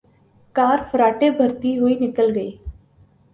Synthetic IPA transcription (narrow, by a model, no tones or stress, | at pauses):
kaːɾpʰəɾaːʈebʱəɾt̪iɦʊiːnɪkəlɡəiː